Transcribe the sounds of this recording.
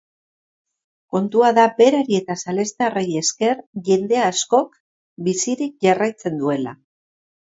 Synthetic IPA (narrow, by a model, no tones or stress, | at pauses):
ko̞nt̪uaðabe̞ɾaɾie̞t̪asale̞st̪areje̞ske̞ɾʝe̞nd̪e̞asko̞k | bisiɾik̚ʝarajt͡se̞nd̪ue̞la̰